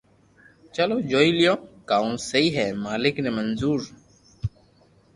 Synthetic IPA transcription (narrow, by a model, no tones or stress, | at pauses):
t͡ʃəloːd͡ʒoːiːlɪjõːkaːũːsəiːɦɛːmaːlɪkneːmənzuːɾ